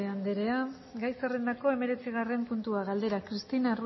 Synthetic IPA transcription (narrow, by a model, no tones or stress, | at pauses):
eand̪eɾe̞a | ɡajsere̞nd̪ako̞e̞me̞ɾe̞t͡siɣ̞are̞mpunt̪uaɣald̪e̞ɾakɾist̪inaru